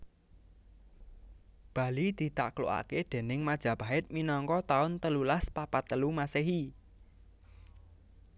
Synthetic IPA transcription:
b̥ä̤lid̪̥i̤t̪a̰ʔklo̰ʔa̰ked̪̥e̤nɪŋmad̥ʒ̥ä̤b̥a̤ɪt̪̚minɔŋkɔt̪aʊnt̪əlulaspapat̪ːəlumaseɦi

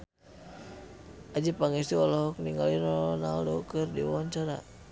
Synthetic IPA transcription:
ʔad͡ʒipaŋist̪iɔlɔɦɔkniŋɡalinɔɔnaldɔkɨrdḭwaɲt͡ʃaɾa̰

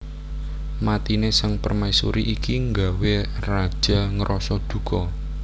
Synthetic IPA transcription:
mat̪inesaŋpərmajsuɾiʔikiŋɡawerḁʒ̥a̤ŋəɾʔɔsɔd̪̥ṳkɔ

